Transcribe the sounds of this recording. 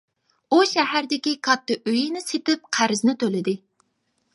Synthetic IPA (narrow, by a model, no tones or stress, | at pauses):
uʃɛhæɾd̪ɪkʲikʰɑt̪ːɨʔøjinɪset̪ɪp̚qʰæɾɪznɪt̪ʰølɪd̪ɪ